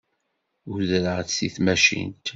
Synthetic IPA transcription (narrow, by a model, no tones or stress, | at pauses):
uðɾəʁθsiθmæʃḭnt̪